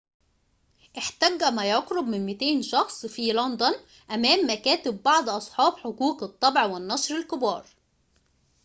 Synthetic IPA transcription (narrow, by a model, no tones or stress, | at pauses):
ʔɪħt̪æɡːæmæjɑqɾʊbmɪnmɪt̪eːnʃɑxsˤfilɑnd̪ʊn | ʔæmæːmːækæːt̪ɪbːɑʕd̪ˤʔɑsˤħɑːbħokuːqɨt̪ˤːɑbʕwɪnːɑʃɾɪlkɪbɑ̰ːɾˤ